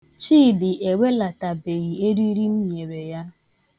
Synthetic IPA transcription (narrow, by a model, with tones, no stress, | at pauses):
t͡ʃiː˦˨dɪ˨ʔe˨we˦la˨ta˨be˨ɣi˨e˦ɾi˦i˦ɾi˦n̩˦ɲe˨ɾe˨ja˦